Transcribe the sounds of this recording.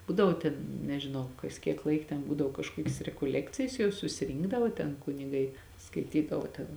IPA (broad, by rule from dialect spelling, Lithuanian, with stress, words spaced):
ˈbuːdɐʋoː tʲɛn nʲɛʒʲɪˈnɐʊ ˈkɐs kʲiɛk ˈlˠɐɪk tʲɛn ˈbuːdɐʋoː kɐʃˈkuɔkʲɪs rʲɛkoːˈlʲæːkt͡sʲɪjɛs jɛʊ sʊsʲɪˈrʲiːŋɡdɐʋoː tʲɛn kʊnʲɪˈɡɐɪ skɐɪˈtʲiːdɐʋoː tʲɛn